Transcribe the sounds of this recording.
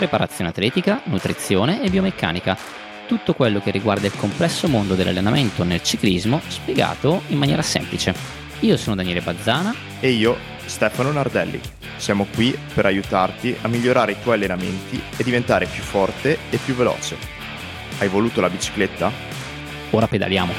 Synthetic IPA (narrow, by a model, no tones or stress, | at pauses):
pɾepaɾa̰t̪sːjoːneat̪ːlɛːt̪ikanut̪ɾit̪sːjoːneʔːbːiomekʰːa̰ːnika | t̪ut̪ːokwelːok̟erːiɡward̪ailkomplɛsːomond̪od̪elʔa̰lːenament̪onelt͡ʃiklizmospjeɡa̰ːt̪oimːanjɛːɾasɛ̰mplit͡ʃe | iːosoːnod̪anjɛːlebad̪zːaːna | eiːo | st̪ɛfanonard̪ɛlːḭ | sjaːmokwipeɾajut̪art̪iʔamːiʎːoɾaːɾeit̪wɔjalːenamḛnt̪ied̪ːivent̪aːɾepjufːɔrt̪eepːjuvːelɔ̰ːt͡ʃe | ajvoluːt̪olabit͡ʃi̥klet̪ːa | oːɾaped̪a̰lja̰ːmo